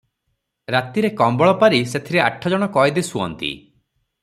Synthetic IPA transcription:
ɾat̪iɾekɔmbɔɭɔpaɾiset̪ʰiɾeaʈʰːɔd͡ʒɔɽ̃ɔkɔjd̪isuɔ̰nt̪ḭ

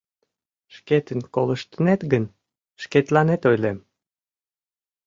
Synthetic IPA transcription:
ʃket̪ənkoləʃt̪ənet̪ɡən | ʃket̪lɑnet̪ojlem

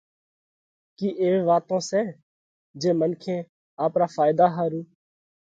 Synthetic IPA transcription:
kiːʔeːʋeːʋaːt̪õːsɛː | d͡ʒeːmənkʰẽː | aːpɾaːfaːɪd̪aːɦaːɾũː

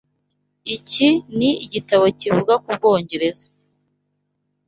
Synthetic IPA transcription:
iciniiɟitaβo̞civuɡakub̚ɡo̞ːɲɟe̞ɾe̞zo

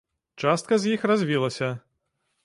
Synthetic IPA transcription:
t͡ʂast̪kɐzʲjixrazʲvʲilˠɐsʲɐ

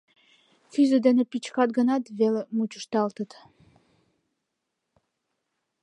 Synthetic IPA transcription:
fyzəd̪enepit͡ɕkɑt̪ɡənɑt̪βelemut͡ɕəʃt̪ɑlt̪ət̪

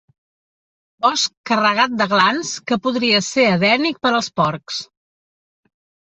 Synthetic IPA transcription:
bɔskərəɣ̞at̪̚d̪əɣlanskəpuðɾiəseɾəðɛnik̚pəɾəlˠspɔɾks

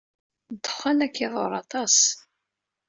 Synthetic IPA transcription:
d̪ə̥χːanækːiðˤo̰ɾˤɑt̪ˤɑs

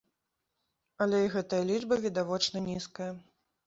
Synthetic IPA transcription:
ɐlʲɛiɣɛt̪ɐjɐlʲid͡ʐbɐvʲid̪avɔt͡ʂnɐnʲiskɐjɐ

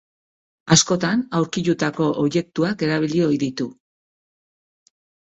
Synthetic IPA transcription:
asko̞t̪anawɾkit̪ut̪ako̞ʔoːβje̞k̚t̪uake̞ɾaβilio̞jðit̪u

